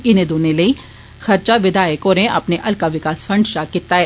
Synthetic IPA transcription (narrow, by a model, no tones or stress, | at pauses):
ɪnẽd̪oːnelɐi | xɐɾt͡ʃaʋɪd̪ʱaːjekoːɾẽʔɐpneʔɐlkaʋɪkaːsfɐ̃ɳɖʃakɪt̪ːaɦɛː